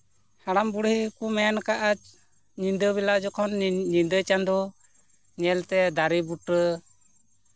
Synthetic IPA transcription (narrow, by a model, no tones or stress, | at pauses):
haɽambuɽhikumɛankaʔat͡ʃ | ɲind̪əβɛlaʔd͡ʒɔkʰɔnɲind̪ət͡ʃand̪ɔ | nɛɛlt̪ɛd̪aɾibuʈɾə